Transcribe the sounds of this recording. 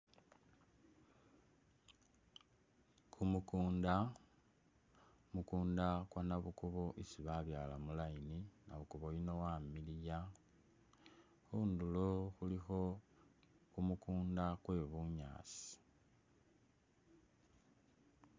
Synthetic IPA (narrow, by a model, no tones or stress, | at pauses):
kʰumukuːnda | mukuːndakwanaβukuβo̞ʔisiβaβjaːlamulaininaβukuβojino̞wamilija | xunduloxulixo̞ | kumukuːndakwe̞βuɲa̰ːsi̥i̥